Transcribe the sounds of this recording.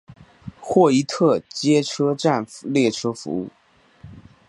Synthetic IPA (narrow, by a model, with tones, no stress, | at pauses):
xwɔ˥˩i˧˥t̪ʰɤ˥˩t͡ɕjɛ˥ʈ͡ʂʰɤ˥ʈ͡ʂa˥˩n˧ljɛ˥˩ʈ͡ʂʰɤ˥fṵ˧˥ṵ˥˩